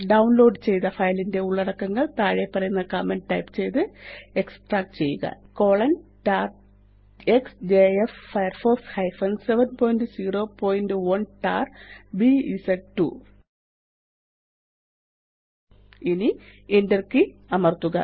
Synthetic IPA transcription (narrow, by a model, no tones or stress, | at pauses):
ɖɐwnlo̞ːɖɨt͡ɕe̞jt̪ɐfɐjlinde̞uɭːɐɽɐkːɐŋːɐɭt̪aːɻjepːɐrɐjunːɐkaːmenɖʈɐjpt͡ɕe̞jt̪ɨe̞ksʈraːk̚ʈt͡ɕe̞jːuɣɐ̰ko̞ːɭɐnʈaːr | eksd͡ʑeefːɐjrfoːshɐjfɐnseʋɐnpoːjnɖɨsiːro̞ːpoːjinɖɨwɐnʈaːrbiisɐʈʈːṵ | inienderkɨɐmɐrt̪ːuɣɐ̰